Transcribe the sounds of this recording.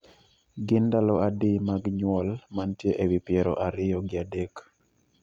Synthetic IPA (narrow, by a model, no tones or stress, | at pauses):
ɡɪndalɔadɪmaɡɲwɔlmantjeʔewipjɛɾɔ̰ʔaɾɪjɔɡɪadek